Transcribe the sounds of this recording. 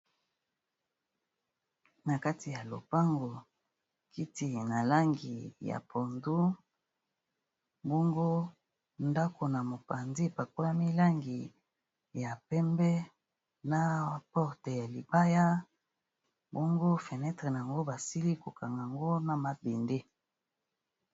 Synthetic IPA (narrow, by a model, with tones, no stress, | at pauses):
na˨ka˦ti˨ja˨lo̰˨pa˦ŋɡo˨ | ki˦ti˨na˨la˦ŋɡi˨ja̰˨pʰo˨ndu˦ | bɔ˦ŋɡo˦ | nda˦ko˨na˨mo˨pa˨ndi˦˨pa˨ko˦a˦mi˦la˦ŋɡi˨ | ja˨pɛ˦mbɛ˦ | na˦pɔ˦ʁte˨ja˨li˨ba˦ja˦ | bɔ˦ŋɡo˦fe˨nɛ˦tʁe˨n˨a˨ŋɡo˦ba˨si˦li˦ko˨ka˨ŋɡa˨ŋɡo˦na˨ma˨be˨nde˦